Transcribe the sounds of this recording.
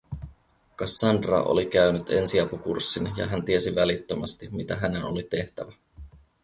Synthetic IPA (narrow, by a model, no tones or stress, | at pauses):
kɑsːɑndrɑ̰ʔo̞̰likæynyt̪e̞nsiɑpukṵrsːinjɑ̰ɦænt̪ie̞siʋælit̪ːømɑst̪immit̪æɦæne̞nolit̪e̞ht̪æʋæ